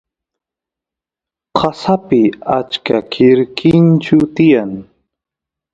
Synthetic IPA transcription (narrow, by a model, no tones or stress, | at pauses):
qʰɑsapɪat͡ʃkakʰɪɾkʰɪnt͡ʃʊt̪ɪjaŋ